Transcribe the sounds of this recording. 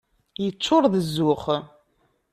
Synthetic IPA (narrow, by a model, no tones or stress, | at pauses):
jət͡sːʊɾˤðəzːʊχ